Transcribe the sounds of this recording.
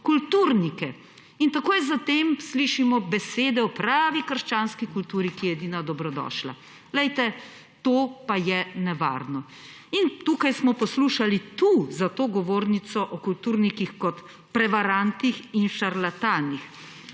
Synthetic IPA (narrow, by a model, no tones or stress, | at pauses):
kult̪uːɾnikɛ | int̪akoːjzat̪eːmsliʃimɔbɛseːd̪ɛɔpɾaːʋikəɾʃt͡ʃaːnskikult̪uːɾikijɛjɛd̪iːnad̪ɔbɾɔd̪ɔ̰ʃla̰ | lɛjt̪ɛ | t̪oːpajɛnɛʋa̰ɾnɔ | int̪uːkajsmɔpɔsluːʃalit̪uzat̪oːɡɔʋoːɾnit̪sɔʔɔkult̪uːɾnikixkɔt̪ | pɾɛʋaɾant̪nixinʃaɾlat̪aːnix